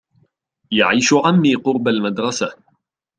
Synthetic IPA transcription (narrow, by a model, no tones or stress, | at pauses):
jaʕiːʃʊʔamːiːqʊɾbalmad̪ɾˤɑsa